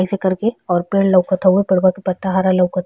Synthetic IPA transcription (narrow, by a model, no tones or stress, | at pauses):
isekɐɾkeɔːɾpeːɽlɐwkɐt̪ʰaɦuepɐɽbakipɐt̪ːaɦaɾalɐwkət̪ʰ